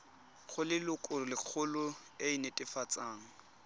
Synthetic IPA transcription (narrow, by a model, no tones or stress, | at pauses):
χʊlɪlʊkʼʊrlɪk͡xʰʊlʊeinɛtʼɪfat͡sʼaːŋ̩